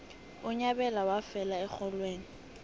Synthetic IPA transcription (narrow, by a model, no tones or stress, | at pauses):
ʊɲabɛlawafɛlaɛk͡xʰɔlweːŋ̩